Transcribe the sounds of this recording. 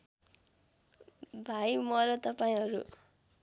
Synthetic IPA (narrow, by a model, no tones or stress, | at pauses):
bʱajmʌɾʌt̪ʌpaĩɦʌɾṵ